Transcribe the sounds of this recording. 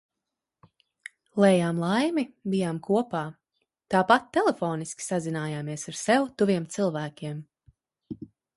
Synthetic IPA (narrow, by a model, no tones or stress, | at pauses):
lˠɛːjaːmlˠajmibijaːmkuɔpaː | t̪aːpat̪̚ːɛlˠefɔːniskʲi̥sazinaːjaːmiɛsaɾsɛwt̪uviɛmt̪sɨlˠvæːkʲiɛm